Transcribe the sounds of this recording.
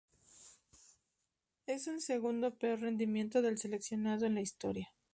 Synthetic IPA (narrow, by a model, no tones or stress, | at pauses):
e̞sunse̞ɣund̪o̞peo̞ɾre̞nd̪imje̞nt̪o̞ðe̞lse̞le̞ksjo̞nað̞o̞enlaist̪o̞ɾja